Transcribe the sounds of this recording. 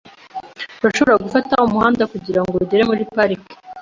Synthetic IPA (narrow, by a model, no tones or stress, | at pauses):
uɾaʃo̞βo̞ɾaɡufataumuhaːndakuɟiɾaŋɡouɟeɾemuɾipaɾike̥